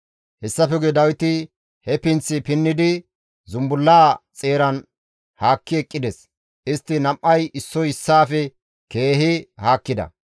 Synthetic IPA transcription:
hɛsːɐfɛɡɛd̪ɐwɪt̪ɪ | hɛpɪnt͡sːɪpɪnːɪd̪ɪ | zʊmbʊlːaːt͡sʼe̞ːɾɐn | haːkːɪɛkʼːɪd̪ɛs | ʔɪst̪ːɪnɐmʔɐjɪsːɔjɪsːaːfɛ | ke̞ːɦɪhaːkːɪd̪ɐ̰

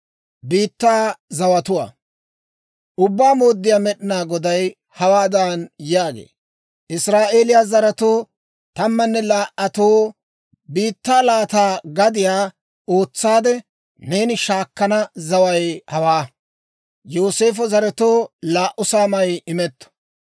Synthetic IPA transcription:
biːt̪ːaːzɐwɐt̪ʊwa̰ː | ʊbːaːmo̞ːd̪ːɪjaːmɛɗɪnaːɡɔd̪ɐj | hɐwaːd̪ɐnjaːɡḛː | ʔɪsɾaːʔeːlɪjazɐɾɐt̪oː | t̪ɐmːɐnːɛlaːʔɐt̪oː | biːt̪ːaːlaːt̪aːɡɐd̪ɪjaː | o̞ːt͡sːaːd̪ɛ | ne̞ːnɪʃaːkːɐnɐzɐwɐjhɐwaː | joːse̞ːf̬ɔzɐɾɛt̪o̞ːlaːʔʊsaːmɐjɪmɛt̪ːɔ̥

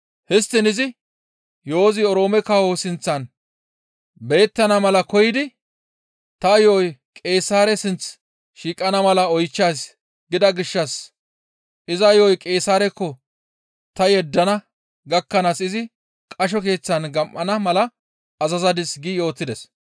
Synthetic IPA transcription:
hɪst̪ːɪnɪzɪ | jo̞ːzɪɔɾo̞ːmɛkɐhosɪnt͡sːɐn | be̞ːt̪ːɐnɐmɐlɐkɔjɪd̪ɪ | t̪ɐjoːjkʼe̞ːsaːɾɛsɪnt͡s | ʃiːkʼɐnɐmɐlɐɔjt͡ʃːaːs | ɡɪd̪ɐɡɪʃːɐs | ʔɪzɐjoːjkʼe̞ːsaːɾɛkːɔ | t̪ɐjɛd̪ːɐnɐ | ɡɐkːɐnasɪzɪ | kʼɐʃ̬ɔk̬e̞ːt͡sːɐnɡɐmʔːɐnɐmɐlɐ | ɐzɐzɐd̪ɪsɡɪjo̞ːt̪ːɪd̪ɛs

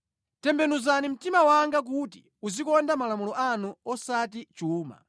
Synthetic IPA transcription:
tɛmbɛnuzanim̩timawaŋɡak̬uti | uzikɔndamalamulɔʔanuɔsatit͡ʃuːma̰

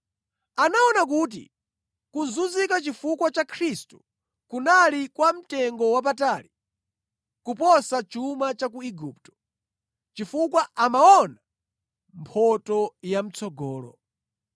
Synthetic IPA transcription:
anaɔnak̬uːt̬ḭ | kunzunzikat͡ʃifukwat͡ʃakʰɾistu̥ | kunalikwam̩tɛŋɡɔwap̬ataːli | kupɔsat͡ʃumat͡ʃak̬uiɡup̚tɔ̥ | t͡ʃifukwaʔamaɔna | mpʰɔtɔjam̩t͡sʰɔɡɔːlɔ̰

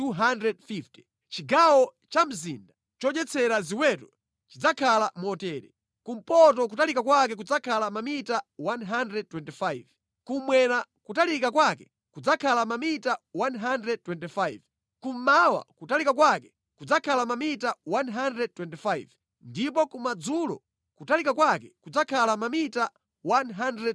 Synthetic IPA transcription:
tuɦandɾɛd̚fifti̥ | t͡ʃiɡawɔ | t͡ʃam̩zḭnda | t͡ʃɔd͡ʒɛt͡sʰɛɾaziwɛtɔ | t͡ʃid͡zakʰalamɔtɛːɾɛ̰ | kum̩pɔt̬ɔk̬utalikakwak̬ɛk̬ud͡zakʰalamamitawanɦandɾɛd̚twɛntifajv | kumwɛnakutalikakwakɛ | kud͡zakʰalamamitawanɦandɾɛd̚twɛntifajv | kum̩mawa̰kutalikakwakɛ̥ | kud͡zakʰalamamitawanɦandɾɛd̚twɛntifaiv | ndipɔkumad͡zulɔ̰ | kutalikakwakɛkud͡zakʰalamamita | wanɦandɾɛd

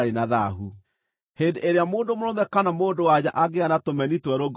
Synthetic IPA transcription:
ɾenaða̰ɦu | hendeʔeɾeamoːndomoɾɔmɛkanamoːndowad͡ʑaʔaɡeanatomɛnitwɛɾoɡ

